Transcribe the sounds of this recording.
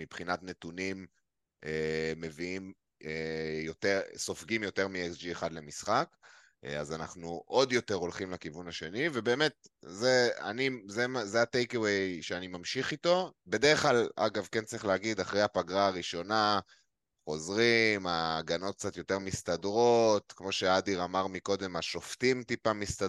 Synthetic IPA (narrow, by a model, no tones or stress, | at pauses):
mibχinatne̞tunim | eːe̞viim | ejo̞teʁso̞fɡimjo̞te̞ʁmieksd͡ʒieχad̪le̞misχak | azanaχnuʔo̞djo̞te̞ʁo̞lχimlekivunhaʃe̞nive̞be̞ːme̞t̪̚zea̰nizemzeatejkewejʃeanimamʃiχito̞be̞deʁeχklala̰ɡavkent͡saʁiχleaɡid̪aχʁejhapaɡʁaːʁiʃo̞na | χo̞zʁimaɡano̞t̪̚k̚t͡sat̪jo̞te̞ʁmist̪adʁo̞tkmo̞ʃead̪iʁamaʁmiko̞d̪e̞maʃo̞ftimtipamist̪a